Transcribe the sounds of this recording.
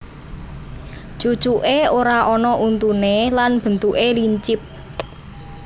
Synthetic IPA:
t͡ʃu̥t͡ʃuʔeoɾaʔɔnɔʔunt̪unelanb̥ə̤nt̪uʔeliɲt͡ʃɪp̚

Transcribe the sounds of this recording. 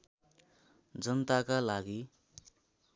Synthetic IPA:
d͡zʌnt̪akalaɡi

